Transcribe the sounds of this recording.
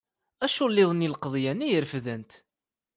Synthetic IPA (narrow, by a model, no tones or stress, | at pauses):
æʃulːɪðˤnilqðˤjænijəɾfðənt̪